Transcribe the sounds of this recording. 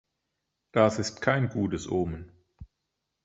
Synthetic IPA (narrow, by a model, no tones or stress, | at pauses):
d̥asɪstkʰaɪnɡuːtəsʔoːmən